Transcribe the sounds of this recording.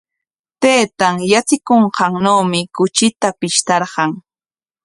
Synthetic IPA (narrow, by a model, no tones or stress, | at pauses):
t̪ejt̪aŋjat͡sɪkoɴqɑŋnowmɪkʊt͡ʃɪt̪apɪʃt̪ɑɾɢɑŋ